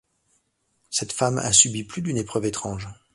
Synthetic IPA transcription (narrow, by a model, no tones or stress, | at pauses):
sɛt̪fama̰sybiplyd̪ynepχœvet̪χɑ̃ʒ